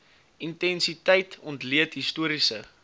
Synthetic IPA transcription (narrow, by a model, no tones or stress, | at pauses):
intɛnsitɛjtʰɔntliətɦistuəɾisə̰